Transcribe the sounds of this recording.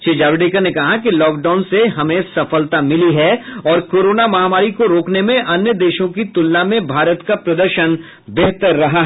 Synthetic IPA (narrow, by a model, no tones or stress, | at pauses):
t͡ʃeːd͡ʒaːʋɪɖeːkəɾnekɐɦakilɔːk̚ɖaːnseɦɐmẽsɐfəlt̪amɪliɦɛɔːɾkoːɾoːnamɐɦaːmaːɾikoɾoːknemẽʔɐnjəd̪eːʃõkit̪ʊlːamẽbʱaːɾət̪kapɾɐd̪əɾʃən | beɦt̪əɾːɐɦaɦɛ